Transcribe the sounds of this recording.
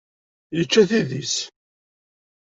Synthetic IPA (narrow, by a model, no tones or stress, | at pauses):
jət͡ʃːæθiðis